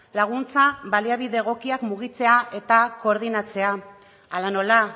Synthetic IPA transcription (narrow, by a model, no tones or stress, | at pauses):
laɣ̞unt͡saβaliaβiðe̞ɣ̞o̞kiakmuɣ̞it͡se̞aʔe̞t̪ako̞ːɾð̞inat͡se̞a | alano̞la